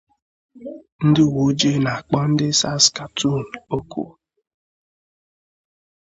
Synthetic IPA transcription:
n̩˦dɪ˦wu˨˦d͡ʒe˦˨na˨a˨k͡pɔ˦n̩˦dɪ˦sa˦ska˨tu˦˨n̩˨o˦kʰṵ˦

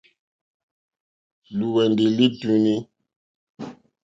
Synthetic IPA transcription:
lu˨wɛ˨ndi˨li˦tu˦ni˦

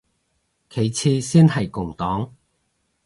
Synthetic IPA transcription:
kʰe˨˥jt͡sʰiː˧siː˥nɐ˨˩jkʊ˨˩ŋt̪ɔː˨˥ŋ

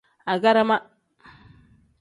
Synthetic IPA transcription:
a˨ɡa˦ɾa˦ma˦

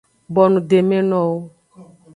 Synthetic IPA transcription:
bɔ˨nũ˨de˨me˦nɔ̃˦wo˦

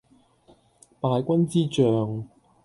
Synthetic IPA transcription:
paː˧jkʷɐ˥nt͡siː˥t͡ʃœː˨ŋ

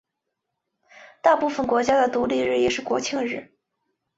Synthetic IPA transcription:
t̪a˥˧pu˥˩fə˩nkwɔ˧˥t͡ɕja˥d̪ə˨t̪u˧˥li˥˧ɻ̩˥˩jɛ˨˩ʂɻ̩˥˩kwɔ˧˥t͡ɕʰi˥˧ŋɻɻ̩˥˩

